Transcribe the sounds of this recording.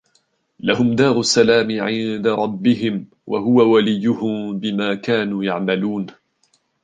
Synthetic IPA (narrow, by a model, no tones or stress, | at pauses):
lahʊmd̪ɑːɾˤʊsːalaːmɪʕɪnd̪aɾˤɑbːɪɦɪm | wʔa̰ɦʊwawalɪjːʊhʊmbɪmaːkaːnuːjaʕmaluːn